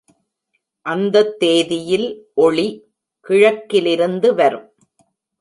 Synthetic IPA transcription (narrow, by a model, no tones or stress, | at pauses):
ʔɐnd̪ɐt̪ːeːðɪjɪlʔɔɭi | kɪɻɐkːɪlɪɾɯnd̪ɯʋɐɾɯm